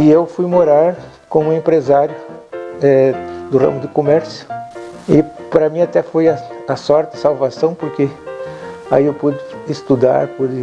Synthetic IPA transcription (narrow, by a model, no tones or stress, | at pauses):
ɪewfujmoɾaɾ | kõmʊ̃ẽmpɾezaɾjʊɛd̪ʊrɐ̰̃mʊd̪ɪkomɛɾsjʊ̥ | ɪpɾɐmĩat̪ɛfojɐɐsɔɾt̪ɪɐsawvasɐ̃w̃poɾke | aiewpud͡ʒ̪ɪːst̪ud̪a̰ɾpud͡ʒɪ